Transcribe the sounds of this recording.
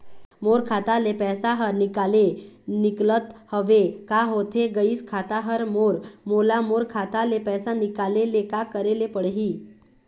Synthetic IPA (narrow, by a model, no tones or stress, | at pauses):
moɾkʰat̪alepɛsaɦəɾnikaleniklət̪həʋekaɦot̪ʰeɡəiːskʰat̪aɦəɾmoɾmolamoɾkʰat̪alepɛsanikalelekakəɾelepəɽɦiː